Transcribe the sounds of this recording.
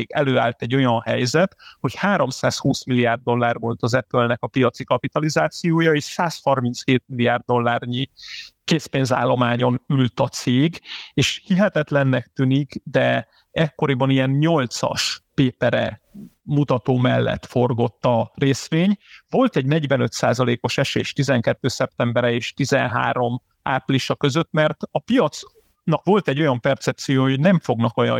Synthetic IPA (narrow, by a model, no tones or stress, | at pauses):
eːɡɛløːaːlt̪ɛɟːo̞jɒnhɛjzɛt̪ho̞chaːɾo̞msaːshuːsmilːijaːrd̪ːo̞lːaːrvo̞lt̪ɒzɛpølnɛkɒpijɒt̪sikɒpit̪ɒlizaːt̪sijoːjɒeːʃsaːshɒrmint̪sheːt̪̚milːiaːrd̪ːo̞lːaːrɲikeːspeːnza̰ːlːo̞maːɲo̞nylt̪ɒt̪seːɡeːʃhiɦɛt̪ɛt̪lɛnːɛk̚t̪yniɡd̪ɛ | ɛkːo̞ɾibɒnijɛnɲo̞lt̪sɒ̰ʃpeːpɛɾɛ̰mut̪ɒt̪oːmɛlːɛ̰t̪fo̞rɡo̞t̪ːɒreːsʋeːɲvo̞lt̪ɛɟnɛɟvɛnø̞t̪saːzɒleːko̞ʃɛʃḛːʃt̪izɛŋkɛt̪ːøːsɛpt̪ɛmbɛɾɛeːʃt̪izɛnɦa̰ːɾo̞m | aːpliʃɒkø̞zø̞t̪mɛrt̪ɒpijɒt̪s | nɒkʋo̞lt̪ɛɟːo̞jɒmpɛrt̪sɛp̚t̪sijoːoɟnɛɱfo̞ɡnɒkojɒ̰